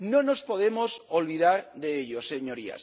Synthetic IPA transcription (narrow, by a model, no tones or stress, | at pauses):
nõno̞spo̞ðe̞mo̞solβiðaɾðeeʎoseɲo̞ɾia̰s